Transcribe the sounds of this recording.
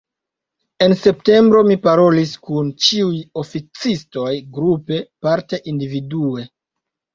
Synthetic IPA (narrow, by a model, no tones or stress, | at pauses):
e̞nse̞pte̞mbɾo̞mipaɾo̞liskunt͡ʃiujo̞fit͡sisto̞jɡɾupe̞paɾte̞ʔindividue̞